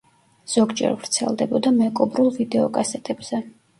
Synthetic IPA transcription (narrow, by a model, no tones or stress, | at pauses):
z̥ɔɡd͡ʒɛ̰ɾvɾt̪sʰɛ̰lˠd̪ɛbɔd̪amɛkʼɔbɾulˠvid̪ɛɔkʼasɛt̪ʼɛbz̥ɛ